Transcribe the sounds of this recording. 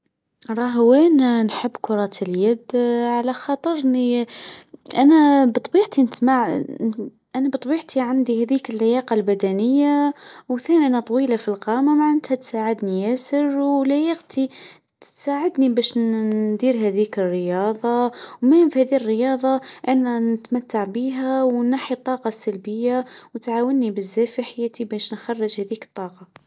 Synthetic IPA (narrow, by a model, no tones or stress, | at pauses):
ɾˤɑɦwænanħəbːkʊɾˤɑːt̪ʰəljæd̪ʕalaxɑːt̪ˤəɾni | ʔænæbt̪ˤbiːʕt̪inəsmaʕ | ʔænabt̪ˤbiːʕt̪ʰiʕand̪ihæðiːkɪlːajɑːqɑlbæd̪ænəjːawθæːnʔænat̪ˤwiːlafilqɑːmamaʕant̪hæt̪saʕɪd̪nijæsɪɾwlajɑqt̪ʰi | t̪saːʕɪd̪nibæːʃd̪iːɾɦæðiːkərːəjɑːðˤɑwmæfhæːðirːəjɑːðˤɑʔanːænɪt̪mat̪ːaʕbiːɦawnaħit̪ˤːɑːqɑsalbəjːawt̪ʕaːwənːibɪzːæːfiħajæːt̪ibæːʃnxɑrˤːɪʒhæðiːkt̪ˤːɑːqɑ